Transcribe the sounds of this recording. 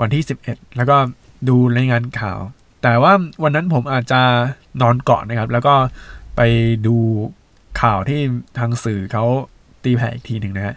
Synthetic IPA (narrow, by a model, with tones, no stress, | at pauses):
wa˧nt̪ʰiː˥˩si˨˩p̚ʔe˨˩t̪̚lɛː˦˥wkɔː˥˩ | duː˧ɾa˧jŋaː˧nkʰa̰ː˨˩w | t̪ɛː˨˩waː˥˩wa˧nːa˦˥npʰo˩˦mʔaː˨˩t̪̚t͡ɕa˨˩ | nɔː˧nkɔ̰ː˨˩na˦˥kʰa˦˥p̚lɛː˦˥wkɔː˥˩pa˧jduː˧ | kʰaː˨˩wt̪ʰiː˥˩t̪ʰaː˧ŋsɯː˨˩kʰa˦˥w | t̪iː˧pʰɛː˨˩ʔiː˨˩k̚t̪ʰiː˧nɯ˨ŋna˦˥kʰa˦˥ʔ